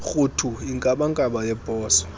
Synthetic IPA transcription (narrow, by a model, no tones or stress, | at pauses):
xutʰuiŋkʼaɓaŋkʼaɓajɛb̥ʱɔːsɔ̥